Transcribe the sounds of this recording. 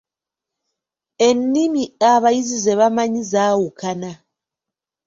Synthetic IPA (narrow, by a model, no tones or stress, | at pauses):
enːimiaβaizizɛβamaɲizawukʰana